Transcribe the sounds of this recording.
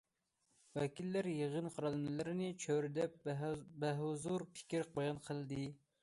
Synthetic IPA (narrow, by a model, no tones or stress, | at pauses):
wɛkʲilːæɾjeʁənqʰɑɾɑlˠɨmɨlɨɾɪnɪt͡ʃʰøɾd̪ɛp̚bɛɦzuɾpʰɪ̥kʲiɾq̚ɑjɑnqʰəlˠɨd̪ɨ